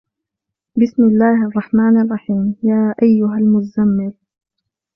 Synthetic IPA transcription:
bɪsmɪlːaːhʔɑrˤːɑħmaːnʔɑrˤːɑħiːmjaːʔajːʊɦalmʊzamːɪl

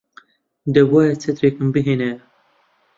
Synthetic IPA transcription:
d̪ɛbɑːjɛt͡sʰɛt̪ɾekɨmbɨɦeːnɛ

